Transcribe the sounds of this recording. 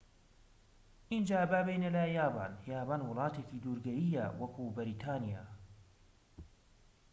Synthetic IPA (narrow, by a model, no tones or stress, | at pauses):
ʔind͡ʒaːbabejnelɐjaːba̰ːnjaːbaːnwʊlˠɑːt̪eːciːd̪uːɾɡɐjijɐwɐkubɐɾiːt̪ʰaːnija̰ː